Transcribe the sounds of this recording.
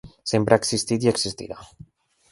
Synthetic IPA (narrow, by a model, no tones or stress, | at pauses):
sempɾeaːksist̪it̪̬iəksist̪ḭɾa